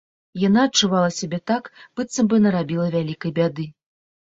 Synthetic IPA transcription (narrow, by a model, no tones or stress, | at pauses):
janaɐt͡ʂːuvalˠɐsʲabʲɛt̪akb̥ɨt̪sɐmbɨnɐɾabʲilˠɐvʲalʲikɐjbʲad̪ɨ